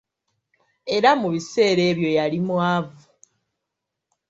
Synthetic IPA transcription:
e̞ɾamuβise̞ːɾe̞ːβjo̞jalimwaːvu

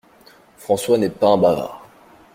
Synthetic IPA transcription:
fχɑ̃swanɛpaɛ̃bava̰ːʁ

